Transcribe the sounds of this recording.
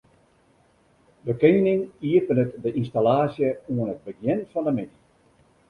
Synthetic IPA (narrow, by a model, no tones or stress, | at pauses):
dəkeːnɪŋiəpənətdəʔinstalaːsjəuənət̚bəɡjɛnfɔndəmɪni